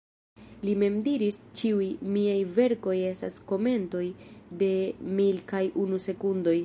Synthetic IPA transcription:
lime̞mdiɾist͡ʃiujmiajve̞ɾko̞je̞sta̰sko̞me̞nto̞jde̞milkajʔunuse̞kundo̞j

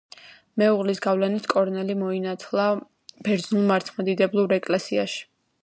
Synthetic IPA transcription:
mɛuʁlisɡavlɛnit̪ʰkʼɔɾnɛlimɔinat̪ʰlˠa | b̥ɛɾd̪znulˠmaɾt̪ʰmad̪id̪ɛblˠuɾɾɛkʼlɛsiaʃi̥

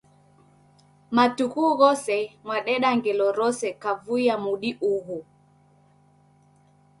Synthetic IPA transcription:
matukuɣɔsɛmwaɗɛɗaŋɡɛlɔɾɔsɛkavuiamuɗiʔuhu

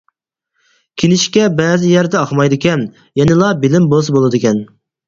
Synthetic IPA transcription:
kʲʰinɪʃkʲɛbɛːzɪjɛɾd̪ɛɑχmɑjd̪ɪkʲɛn | jɛnɪlˠɑbɪlɪmbolˠs̬ɨbolˠɨd̪ɨkʲɛn

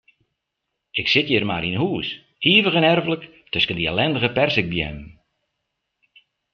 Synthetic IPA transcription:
ɪksɪtjɪrmaɾinhuəs | iəvəɣənɛrvələk | tøskəndiɛlɛndəɣəpɛrsɪk̚bjɛ̰nən

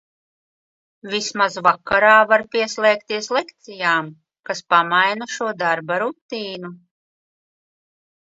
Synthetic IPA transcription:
vismazvakːaɾaːvaɾpʲiɛslˠɛːkt̪iɛslˠekt̪sijaːm | kaspamajnaʃuɔd̪aɾbaɾut̪iːnu

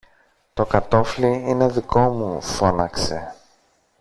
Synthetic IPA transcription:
t̪o̞kɐt̪o̞fliine̞ðiko̞mufo̞nɐkse̞̰

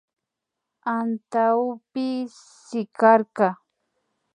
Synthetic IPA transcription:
ant̪awpɪsɪkaɾkɑ

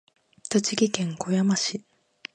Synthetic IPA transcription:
t̪ot͡ɕiɡʲikẽ̞ŋko̞jamaɕi

